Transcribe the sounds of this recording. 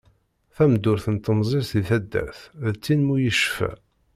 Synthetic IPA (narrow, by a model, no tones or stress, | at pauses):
θæmd̪ʊɾθənt̪ənzˤɪɾθiθæd̪ːæ̰ɾθðt͡sːinmujəʃfæ̰